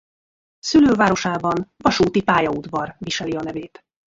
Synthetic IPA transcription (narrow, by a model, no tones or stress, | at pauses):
syløːvaːɾo̞ʃaːbɒnvɒʃuːt̪ipaːjɒud̪vɒrviʃɛliɒnɛveːt̪